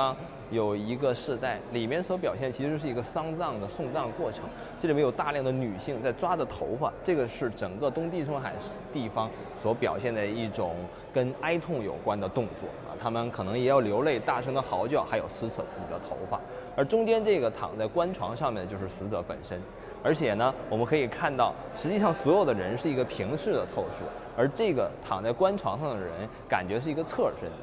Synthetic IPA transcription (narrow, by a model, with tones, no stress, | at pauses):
jo˨˩ʊi˧˥ɡə˧ʂɻ̩˥˧t̪a˥˩ɪli˨˩mjɛ˥˩nswɔ˧˥p̬jɑ˨˩ʊɕjɛ˥˩nət͡ɕʰi˧˥ʂɻ̩˧˥ʂɻ̩˥˩i˧˥ɡə˧sɑ˥ŋt͡sɑ˥˩ŋd̪ə˩sʊ˥˧ŋt͡sɑ˥˧ŋkwɔ˥˩ʈ͡ʂʰɤ˧˥ŋʰi˧˥i˨˩˧jo˨˩ʊt̪a˥˧ljɑ˥˩ŋd̪ə˩ny˨˩ɕi˥˧ŋt͡sa˥˩ɪʈ͡ʂwa˥d̪ə˨t̪ʰo˧˥ʊfa̰˨˩ʈ͡ʂɤ˥˩ɡə˩ʂɻ̩˥˩ʈ͡ʂɤ˨˩ŋkə˥˧t̪ʊ˥ŋt̪̬i˥˧ʈ͡ʂʰɤ˥ŋxa˨˩ɪʂt̪i˥˩fɑ˥ŋ | swɔ˧˥pjɑ̰˨˩ʊɕjɛ˥˩nd̪ə˨˩i˥˩ʈ͡ʂʊ˨˩˦ŋ | kə˥na˥ɪt̪ʰʊ˥˩ŋjo̰˨˩ʊkwa˥nd̪ə˨t̪ʊ˥˧ŋt͡swɔ̰˥˩ɐ̰˨˩t̪ʰa˥mə˨nkʰɤ˨˩nɤ˧˥ŋjɛ˨˩˥jɑ˥˩ʊljo˧˥ʊle˥˧ɪt̪a˥˩ʈ͡ʂʰɤ˥ŋd̪ə˨xɑ˧˥ʊt͡ɕjɑ˥˩ʊxa˧˥ɪjo˨˩ʊsɹ̩˥t͡sʰɤ̰˨˩t͡sɹ̩˥˩t͡ɕḭ˨˩d̪ə˦t̪ʰo̰˧˥ʊfa̰˨˩˦ | ə˞˧˥ʈ͡ʂʊ˥ŋt͡ɕjɛ˥nʈ͡ʂɤ˥˩ɡə˩t̪ʰɑ̰˨˩ŋt͡sa˥˩ɪkwa˥nʈ͡ʂʰwɑ̰˧˥ŋʂɑ˥˧ŋmjɛ˥˩nt͡ɕo˥˧ʊʂɻ̩˥˩sɹ̩˧˥t͡sɤ˧˥pə̰˨˩nʂə˥n | ə˞˧˥t͡ɕʰjɛ˨˩nə˦wɔ˨˩mə˦nkʰɤ˧˥i˨˩kʰa˥˧nt̪ɑ˥˩ʊ | ʂɻ̩˧˥t͡ɕi˥˧ʂɑ˥˩ŋswɔ˧˥jo˨˩ʊd̪ə˦ɻə˧˥nʂɻ̩˥˩i˧˥ɡə˧pʰi˧˥ŋʂɻ̩˥˩d̪ə˩t̪ʰo˥˧ʊʂu˥˩ | ə˞˧˥ʈ͡ʂɤ˥˩ɡə˩t̪ʰɑ˨˩ŋt͡sa˥˩ɪkwa˥nʈ͡ʂʰwɑ˧˥ŋʂɑ˥˩ŋd̪ə˩ɻə̰˧˥n | ka̰˨˩nt͡ɕɥɛ˧˥ʂɻ̩˥˩i˧˥ɡə˧t͡sʰɤ˥˩ʂə̰˥n